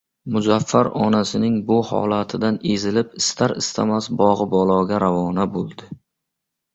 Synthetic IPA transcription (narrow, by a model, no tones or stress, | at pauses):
mʊzafːaɾɒnasɪnɪŋbʊhɒ̰lat̪ʰɪd̪anezɪlɪpɪst̪ʰaɾɪst̪ʰa̰masbɒʁɨbɒlˠɒɡʲaɾavɒnabolˠd̪ɪ